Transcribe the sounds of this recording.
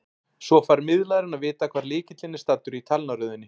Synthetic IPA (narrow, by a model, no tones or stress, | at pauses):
sɔfaɾmɪðlaðɾɪnaðvɪːt̪akʰv̥aːɾlɪːcɪt̪lɪnɪst̪at̪ːʏɾit̪ʰalnaɾʏːðɪnːɪ